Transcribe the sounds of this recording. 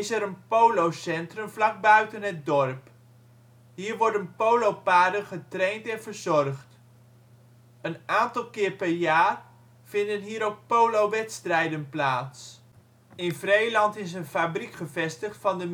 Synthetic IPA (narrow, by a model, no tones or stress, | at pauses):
ɪsɛɾənpowlowsɛntrəmvlɑɡ̚bœɥtənɦət̚dɔɹp | ɦiːɹʋɔɹdənpowlowpaːdənχətrejntɛnvəɹzɔrχt | ənaːntɑlˠkɪːɹpɛɹjaːr | v̥ɪndənɦiːɾowk̚powlowʋɛtstrɛjdənplaːts | ɪnvrejlɑntɪs̬ənfabrikχəvɛstəχtfɑndəm